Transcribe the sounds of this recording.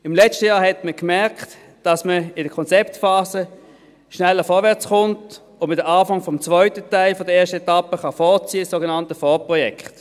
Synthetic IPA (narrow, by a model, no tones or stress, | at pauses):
ɪmlɛt͡ʃtəjaːɐɦɛtməkmɛɐkt | d̥ɑsməɪdəkʰɔnt͡sɛptfaːzə | ʃnɛlːəfɔɐvɛɐt͡sχʊnt | ʊnmɪtdəɐʔaːfɑŋfɔmt͡svœʏtətaɪlfɔdəeːɐʃtəɛtɑpəχɑfɔːɐt͡siəsoːɡenɑntəfɔpʁɔjɛkχt